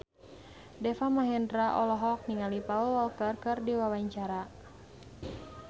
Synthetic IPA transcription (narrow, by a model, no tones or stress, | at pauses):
dɛfamaɦɛndɾaʔɔlɔɦɔk̚niŋalipaulwɔlkərkɨrdiwawaɲt͡ʃaɾa